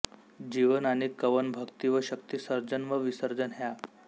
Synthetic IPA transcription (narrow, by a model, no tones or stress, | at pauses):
d͡ʑiʋənaɽ̃ikəʋənbʱəkt̪iʋəɕək̚t̪isəɾd͡ʑənʋəʋisəɾd͡zənɦja